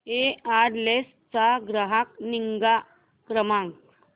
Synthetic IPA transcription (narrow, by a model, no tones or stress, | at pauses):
eaɾles | t͡saɡɾəɦak̚niŋɡa | kɾəmãŋ